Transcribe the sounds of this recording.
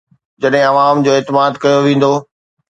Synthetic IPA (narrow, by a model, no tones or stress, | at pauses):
d͡ʑɐɗɦɪ̃ɐʋaːmd͡ʑoːeːt̪ɪmaːd̪kɐjoʋẽːn̆d̪oː